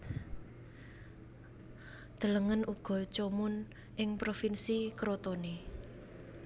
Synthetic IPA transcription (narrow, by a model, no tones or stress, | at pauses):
d̪̥ə̤ləŋənuɡ̥ɔ̤t͡ʃomʊn | ʔɪŋpɾofinsikɾot̪one